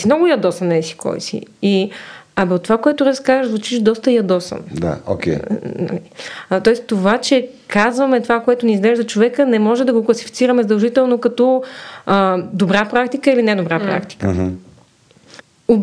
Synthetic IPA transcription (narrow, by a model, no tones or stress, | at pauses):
simnɔɡʊjɐd̪ɔsənːɛsi̥kʰɔ̰jsḭiɐbt̪ːovakoɛt̪ʊɾɐskazəʒzvut͡ʃiʃd̪ɔst̪əjɐd̪ɔsə̰nd̪a̰o̰kʲɛ̰nɐ̰lit̪ɔɛst̪ovat͡ʃɛ | kazvɐmɛt̪ovakoɛt̪ʊniːzɡlɛʒd̪ɐt͡ʃovɛkənɛmɔʒɛd̪ɐɡoklˠɐsifit̪siɾɐmɛzəd̪ɐlˠʒit̪ɛlˠnokɐt̪ɔ | d̪obɾapɾakt̪ikəilinɛd̪obɾapɾa̰kt̪i̥kəɦ | o